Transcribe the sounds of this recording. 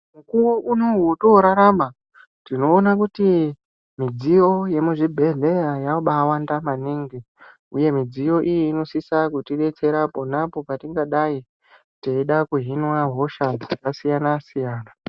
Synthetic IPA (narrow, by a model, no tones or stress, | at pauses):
mukuroʔunoɦwotoɾaɾama | tino̞ːnakuti | mid͡zijo̞je̞muʐibʱe̞ɮe̞jajaoɓawandamaniŋɡi | ṵje̞mid͡zijo̞ʔijiːno̞sisakutiɗe̞t͡se̞ɾapo̞napo̞patiŋɡaɗai | teiɗakuɦinwaɦo̞ʃad͡zd͡zakasijanasijaːna